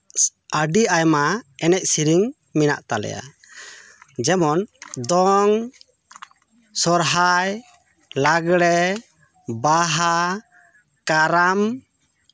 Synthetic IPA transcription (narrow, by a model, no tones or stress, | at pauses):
əɖiajmaɛnɛc̪̚siɾiŋ | mina̰ʔt̪alɛ̰ja̰ | d͡ʒɛmɔnd̪ɔŋ | sɔɾɦaj | laɡɽɛ | baɦa | kaɾam